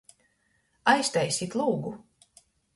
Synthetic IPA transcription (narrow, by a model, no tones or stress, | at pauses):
ajst̪ɛjsʲit̪lˠuːɡu